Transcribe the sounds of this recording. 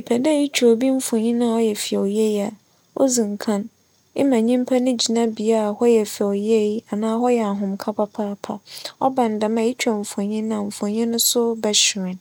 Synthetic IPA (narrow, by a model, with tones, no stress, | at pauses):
i˨pʰɛ˨dɛ˦i˦t͡ɕʰᶣu˨o˨bi˦m̩˦fɔ̃˨ɲĩ˦nã˦ɔ˦jɛ˨fi˨ɛ˨ɔ˨jɛ˦ja˨ | o̰˦zĩ˨ŋ˨kʰã˦n | ɪ˦mã˨ɲĩ˦m˦pʰa˦nʊ̃˦d͡ʑi˨nã˦bi˨a˦a˨hɔ˦jɛ˨fi˨ɔ˨jɛ˦˨i˦a˨nãː˦ɦɔ˦jɛ˨a˨ɦʊ̃˨m˨kʰa˦pʰa˦pʰaː˦pʰa̰˨ɔ˦bã˨n˨da˨mã˨i˦t͡ɕʰᶣa˨ɱ̩˨fɔ̃˨ɲĩ˦ñ˦ã˨m̩˨fɔ̃˨ɲĩ˦nʊ̃˦sʊ˦bɛ˦ɕɪ˨ɾɪ̃˨n